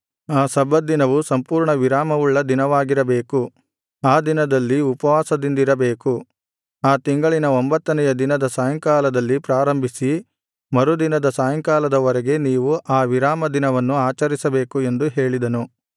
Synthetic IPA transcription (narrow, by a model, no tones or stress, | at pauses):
aːsɐbːɐd̪inɐʋusɐmpuːɾɳɐʋiɾaːmɐʋuɭːɐd̪inɐʋaːɡiɾɐbe̞ːku | aːd̪inɐd̪ɐlːiupɐʋaːsɐd̪ind̪iɾɐbe̞ːku | aːt̪iŋɡɐɭinɐombɐt̪ːɐnɛjɐd̪inɐd̪ɐsaːjɐŋkaːlɐd̪ɐlːipɾaːɾɐmbʱisi | mɐɾud̪inɐd̪ɐsaːjɐŋkaːlɐd̪ɐʋɔɾɛɡe̞niːʋuʔaːʋiɾaːmɐd̪inɐʋɐnːuaːt͡ʃɐɾisɐbe̞ːkue̞nd̪uɦe̞ːɭid̪ɐnu